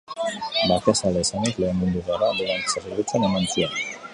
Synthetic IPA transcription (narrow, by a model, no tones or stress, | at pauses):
bak̪asalesanikleːmmund̪uɣaɾad̪eɾanseriβit͡senemant͡sian